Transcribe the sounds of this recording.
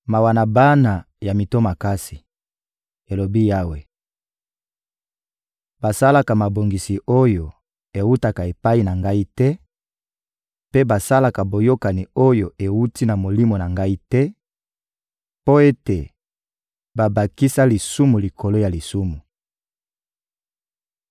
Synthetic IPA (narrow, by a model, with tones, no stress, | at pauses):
ma˨wa˨na˨ba˦na˨ | ja˨mi˨to˦ma˨ka˦si̥˨ | e˨lo˨bi˦ja˦we˨ | ba˨sa˦la˦ka˨ma˨bo˨ŋɡi˨si˨ʔo˦jo˨ | e˨wu˦ta˨ka˨e˨pa˦i˦˨na˨ŋɡa˦i˦tɛ˦ | pe˦ba˨sa˦la˨ka˨bo˨jo˦ka˨ni˨o˦jo˨e˨wu˦ti˦na˨mo˨li˦mo˨na˨ŋɡa˦i˦tɛ˦ | po˦e˦te˨ | ba˨ba˨ki˦sa˦li˨su˦mu˨li˨ko˨lo˦ja˨li˨su˦mu˨